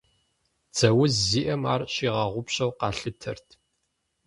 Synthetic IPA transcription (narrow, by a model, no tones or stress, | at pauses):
t͡sʰɐwʊzzːiːʔɐmaːrɕiːʁɑʁʷʊpɕɐwqɑːɬɨtʰɐ̰rtʰ